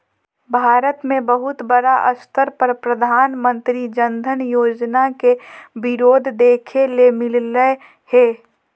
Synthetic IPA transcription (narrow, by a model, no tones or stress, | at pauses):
bʱaːɾət̪mẽbəɦʊt̪bəɾaʔəst̪əɾpəɾpɾəd̪ʱaːnmə̃nt̪ɾid͡ʒənd̪ʱənjoːd͡ʒnakebɪɾoːd̪ʱd̪eːkʰelemɪlləe | heː